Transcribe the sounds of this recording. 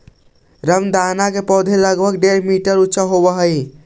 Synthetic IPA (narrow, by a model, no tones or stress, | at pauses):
ɾəmd̪anakepɔd̪ʱeləɡbʱəɡɖeɾmiʈəɾutːʃaɦobəɦəj